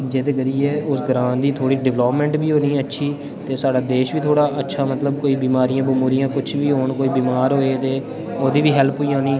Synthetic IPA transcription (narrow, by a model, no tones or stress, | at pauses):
d͡ʒeːd̪eːɡəɾiːeːʊsɡɾãːnd̪iːt̪ʰoːɽiːɖɪʋloːpmɛ̃ːɳʈbiːɦoːniːətːʃʰiː | t̪eːsaːɖaːd̪eːʃʋiːt̪ʰoːɽaːʔətːʃʰaːmət̪ləbkoːiːbiːmaːɾijãːbəmuːɾɪjãːkʊt͡ʃʰʋiːɦoːɳkoːiːbiːmaːɾɦoːeːt̪eː | oːd̪iːʋiːɦɛlpɦoːiːɦõːniː